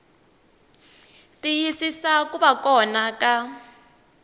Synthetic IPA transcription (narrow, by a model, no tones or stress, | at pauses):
tijisisakuβakɔnakʼa